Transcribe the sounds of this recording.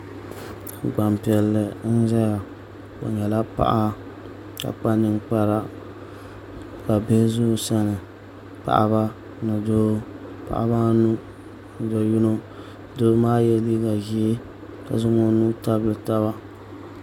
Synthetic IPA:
ɡ͡ba˨mpi˨ɛ˨lːɨ˨n̩˦za˦ɡa˨ | bo̰˨ɲɛ˨la˦pa̰˦ʔa˦ | ka̰˨k͡pa˦nɨ˦ŋk͡pa˦ɾa˦ | ka˨be˦zʊ˦˨sa˦nɨ˨ | pa̰˨ʔa̰˨βa˦ | nɨ˨doː˦pa̰˨ʔa̰˦ba˦nu˦ | n˨do˨˦ju˦no˦˨ | do˦maː˦jɛ˦li˦ɡa˨ɡi˦ | ka̰˨zʊ˦ŋo˦nu˦ta˦blɨ˨ta˦βa˦

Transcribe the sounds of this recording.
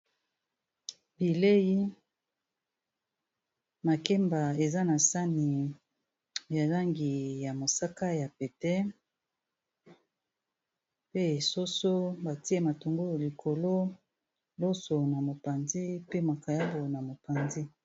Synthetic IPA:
bi˨le˦ji˦ | ma˨ke˦mba˨e˨za˦na˨sa˦ni˨ | ja˨la˦ŋɡi˨ja˨mo˨sa˦ka˦ja˨pɛ˨tɛ˦ | pe˦e˨so˦so˦ba˨ti˦e˦ma˨to˨ŋɡo˦jli˨kʰo˨lo˦ | lo˦so˨na˨mo˨pa˨nzi˦pe˦ma˨ka˨ja˦bo˨na˨mo˨pa˨nzi˦

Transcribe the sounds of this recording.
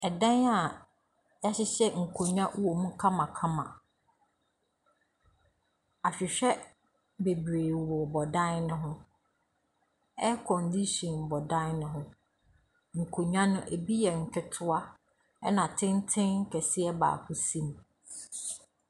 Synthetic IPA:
ɛ˨dã˦na˨ | ja˦ɕɪ˦ɕɛ˦ŋ̩˨kʰo˨ɲᶣã˦wo˨mũ˦kʰã˦mã˨kʰã˦mã̰˨ | a˨ɕᶣɪ˨ɕᶣɛ˦ | be˨bɾeː˨wɔ˨bɔ˨dã˦nʊ̃˦ɦʊ̃˦ | ɛ˦kʰɔ̃˨ndi˦ɕɔ̃˨nbɔ˨dã˦nʊ̃˦ɦʊ̃˦ | ŋ̩˨kʰo˨ɲᶣã˦nʊ̃˦ʔe˨bi˦jɛ˨ŋ̩˨kʰɪ˦tʰʊ˦a˦ | ɛ˦nã˨tʰɪ̃˦n˦tʰɪ̃˦ŋ̩˦kʰɛ˨si˦ɛ˦ba̰ː˨kʰʊ˦sĩ˦m˨

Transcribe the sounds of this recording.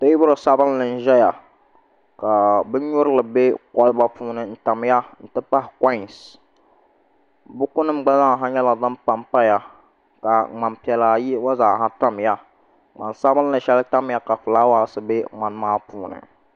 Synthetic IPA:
ta˦jɪ˦bʊ˦ɾɨ˨sa˦bɨ˦n˦lɨ˨n̩˦ʒɛ˦ja˨ | ka˨bɨ˦ɲʊ˦ɾɨ˦lɨ˨be˦kɔ˦lba˦puː˦nɨ˨n̩˦ta˨m˦ja˦n̩˨tɨ˦pa˦hɪ˨ka˦˨ns | bʊ˦kʊ˦nɨ˦m˦ɡ͡ba˦za˦˨ɦa˦ɲɛ˦la˨zɨ˦mpa˦mpa˦ja˨ | ka˨ŋ͡ma˨mpi˨ɛ˨la˨ji˦wa˦zaː˨ha˦ta˦m˨ja˦ | ŋ͡ma̰˨nsa˦bɨ˦n˦lɨ˨˦ʃɛ˦lta˦m˦ja˦ka˨fɨ˨laː˦wa˦sɨ˦be˦ŋ͡ma˨n˦maː˦puː˦nɨ̰˨

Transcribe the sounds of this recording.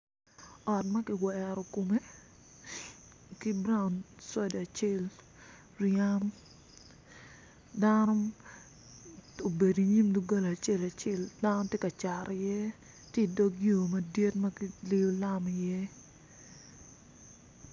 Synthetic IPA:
ɔ˨tmɐ˦kɪ˨wɛɾɔ˨ko˨me˦ | ki˦bɾa˦ʊnswa˦da˨t͡ʃe˦˨l | rɪa˦m | da˦nɔ˦ | o˨be˨di˨ɲi˦mdu˦ɡa˦la˨t͡ʃe˦˨la˨t͡ʃe˦˨lda˦no˦tje˦ka˨t͡ʃa˨ɾʔɪ˨jɛ˦ | tje˦˨do˦ɡjo˨mɐ˨dje˦tmɐ˦ki˦le˦o˦la˦m˨jɛ˦

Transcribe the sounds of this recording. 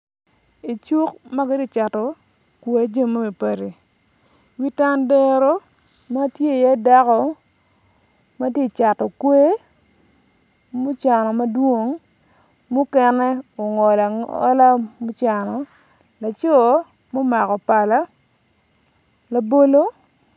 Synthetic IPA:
i˨t͡ʃu˦k̚ma˦ke˦ti˦˨t͡ʃa˨tɔ˨ | kwe˦˨a˦d͡ʒe˦ma˦me˨pa˨ɾi˨ | wi˦ta˦ndɛ˦ɾo˦ma˦tje˦˨ja˦da˦kɔ˨ | ma˦tje˦˨t͡ʃa˨tɔ˨kwe˦ | mʊ˦t͡ʃa˨nɔ˨ma˦dwo˦ŋ | mʊ˦kɛ˦nɛ˦o˨ŋɔ˨la˨ɔ̰˦la˦mʊ˦t͡ʃa˨nɔ˨ | la˨t͡ʃo˦˨˦mo˦ma˨kɔ˨pa˨la˦ | la˨bo˦lo˦

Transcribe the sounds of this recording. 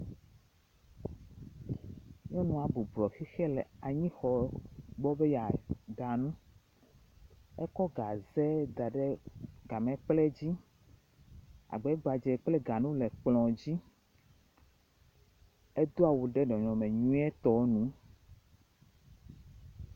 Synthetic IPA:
ɲɔ̃˦nũ˨a˨bu˨blɔ˨xi˦xɛ˦lɛ˨a˨ɲĩ˦xɔ˨ɡ͡bɔ˦be˦ja˨ɡa˨nũ˦ | ɛ˦kɔ˦ɡa˨zɛ˦d̪a˨ɖe˦ɡa˨mɛ̃˨k͡ple˦d͡ʑi˦ | a̰˨ɡ͡be˨˦ɡ͡ba˨d͡ʒɛ˨k͡plɛ˦ɡa˨nũ˦le˨k͡plɔ̃˨d͡ʑi˦ | e˦d̪o˦a˨wu˨ɖɛ˦ɖɔ̃˨ɲɔ̃˨mẽ˨ɲũ˦ɛ˦t̪ɔ˨˦nũ˦

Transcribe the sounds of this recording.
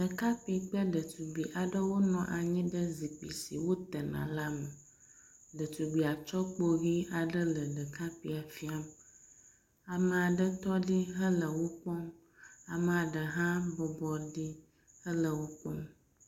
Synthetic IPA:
ɖə˨ka˦pi˨k͡plə˦ɖə˨t̪u˨bi˨ʔa˨ɖə˦wo˦nɔ̃˨ʔa˨ɲĩ˦ɖə˦zi˨k͡pḭ˨sḭ˨wo˦t̪ə˨nã̰˨la˦mə˨ | ɖə˨t̪u˨ɡ͡bi˨a˨t͡ʃɔ˦k͡po˦ɣi˦a˨ɖə˦lə˨ɖə˨ka˦pi˨a˨fi˦a˦m | a˨mə˨a˨ɖə˦t̪ɔ˦ɖi˦ɦə˦lə˨wo˦k͡pɔ˦m | a˨mə˨a˨ɖə˨ɦã˦bɔ˨bɔ˦ɖi˦ | hə˦lə˨wo˦k͡pɔ˦m

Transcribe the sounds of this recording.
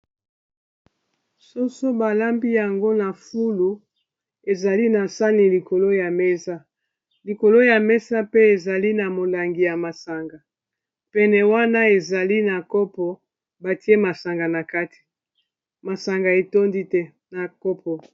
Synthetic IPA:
so˦so˦ba˨la˦mbi˦ja˨ŋɡo˦na˨fu˦lu˨ | e˨za˨li˦na˨sa˦ni˨li˨ko˨lo˦ja˨mɛ˦sa˦ | li˨ko˨lo˦ja˨mɛ˦sa˦pe˦e˨za˨li˦na˨mo˨la˨ŋɡi˨ja˨ma˨sa˨ŋɡa˨ | pɛ˨nɛ˨wa˦na˦e˨za˨li˦na˨kɔ˦pɔ˨ | ba˨ti˦e˦ma˨sa˨ŋɡa˨na˨ka˦ti̥˨ | ma˨sa˨ŋɡa˨e˨to˦ndi˦tɛ˦ | na˨kɔ˦pɔ˨

